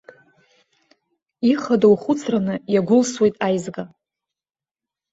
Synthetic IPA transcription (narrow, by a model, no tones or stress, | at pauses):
iχadowχʊt͡sʰranɨjaɡʷʊlswe̞jtʼajzɡa